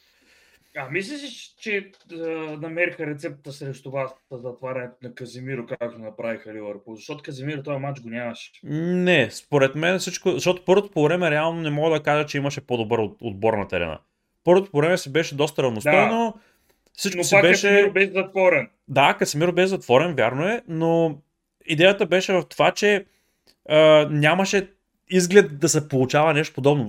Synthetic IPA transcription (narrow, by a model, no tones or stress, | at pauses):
ɐmislʲɛsiʃt͡ʃɛənɐmɛɾixəɾɛt̪sɛp̚t̪əsɾɛʃt̪ovasəzɐt̪vaɾɐnɛt̪nɐkɐzimiɾʊkakakt̪ʊnɐpɾavixɐlivɐɾpuzɐʃt̪ɔt̪ʊkɐzimiɾət̪ɔjɐmat͡ʃɡonʲamɐʃɛ̥nɛspoɾɛt̪mɛnfsit͡ʃkozɐʃt̪ɔt̪o̥pɤɾvot̪opovɾɛmɛɾɛalˠnonɛmɔɡəd̪ɐkaʒɛt͡ʃɛimɐʃɛpod̪obɤɾot̪o̰d̪̚bɔɾnɐt̪ɛɾɛ̰na̰ | pɤɾvot̪o̥povɾɛmɛsibɛʃɛd̪ɔst̪əɾɐvnosɔno | fsit͡ʃnksikbɛʃsɛiɾbɛzɐt̪vɔɾɛn | d̪akɐsɛmiɾobɛʃɛzɐt̪vɔɾɛnvʲjaɾnoɛno | id̪ɛjət̪əbɛʃɛvɐft̪ovat͡ʃɛ | ənʲjamɐʃɛ | izɡlʲɛt̪̚d̪ɐsɛpolˠut͡ʃavɐnɛʃ̬t̪opod̪ɔbno